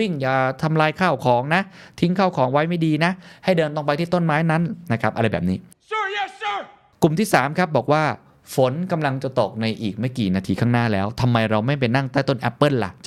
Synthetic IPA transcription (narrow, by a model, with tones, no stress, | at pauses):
wi˥˩ŋjaː˨˩t̪ʰa˧mlaː˧jkʰaː˥˩wkʰɔː˩˦ŋna˦˥t̪ʰi˦˥ŋkʰaː˥˩wkʰɔː˩˦ŋwa˦˥jma˥˩jdiː˧na˦˥ha˥˩jdɤː˧nt̪o˧ŋpa˧jt̪ʰiː˥˩t̪o˥˩nmaː˦˥jna˦˥nna˦˥kʰpʔa˧ɾa˧jbɛː˨˩pniː˦˥ | ku˨˩mt̪ʰiː˥˩saː˨˩˦mkʰa˦˥p̚bɔː˨˩k̚waː˥˩ | fo˩˦nka˧mla˧ŋt͡ɕa˨˩t̪o˨˩k̚na˧jʔiː˨˩k̚ma˥˩jkiː˨˩naː˧t̪ʰiː˧kʰaː˥˩naː˥˩lɛː˦˥wt̪ʰa˧mːa˧jɾa˧wma˥˩jp̬e˧nːa˥˩ŋt̪ɛː˥˩t̪o˧˩nʔɛ˦˥pːɤ˥˩nla̰˨˩t͡ɕ